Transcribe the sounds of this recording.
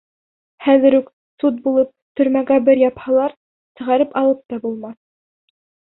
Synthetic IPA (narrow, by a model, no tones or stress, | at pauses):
χæðɘ̆ɾʉk | sut̪̚bulˠɤp̚t̪ɵ̆ɾmæɡæbɘɾjɑphɑlˠɑɾ | sɤ̆ʁɑɾɘpɑlˠɤp̚t̪ɑbulˠmɑθ